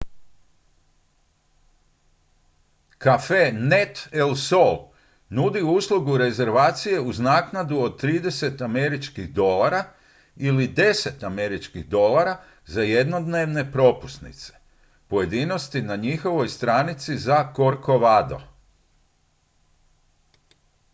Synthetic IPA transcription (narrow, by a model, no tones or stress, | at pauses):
kafenet̪elsol | nud̪iuːslˠuɡuɾe̞ze̞ɾʋaːt̪sije̞uznaːknad̪uo̞d̪̚t̪ːɾiːd̪e̞se̞t̪ame̞ɾit͡ʃkiɣd̪o̞laɾa | ilid̪e̞se̞t̪ame̞ɾit͡ʃkiɣd̪o̞laɾa | zaje̞d̪no̞d̪ne̞ʋne̞pɾo̞pu̥st̪nḭt̪se̥ | po̞je̞d̪ino̞st̪inaɲixo̞ʋo̞jst̪ɾaːnit̪sizako̞ɾko̞ʋad̪o̞̰